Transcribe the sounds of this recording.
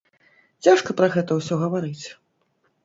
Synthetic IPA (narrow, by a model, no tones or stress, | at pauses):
t͡sʲaʂkɐpɾɐɣɛt̪ɐwsʲɔɣɐvaɾɨt͡sʲ